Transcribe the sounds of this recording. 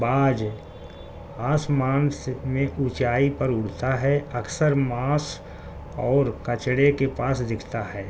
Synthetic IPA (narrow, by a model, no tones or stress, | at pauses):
baːd͡ʒ | aːsmaːnsmẽʔʊt͡ʃaːipɐɾʊɽ̤t̪aɦɛəksəɾmaːs | ɔːɾkət͡ʃɽekepaːsd̪ɪkʰt̪aɦɛː